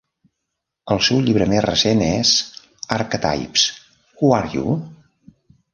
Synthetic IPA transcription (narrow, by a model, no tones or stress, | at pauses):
əlˠsɛwʎiβɾəmezrəsenez | aɾkət̪a̰jps | kuaɾjṵ